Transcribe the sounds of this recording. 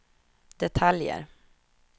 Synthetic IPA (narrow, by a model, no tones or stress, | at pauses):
d̪̥ɛt̪ʰaljə̰ɾ